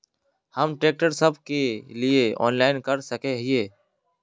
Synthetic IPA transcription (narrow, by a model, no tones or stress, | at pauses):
həmʈɾeːk̚ʈəɾsəbkelieɔ̰ːnlaːɪnkəɾsəkeɦɪeː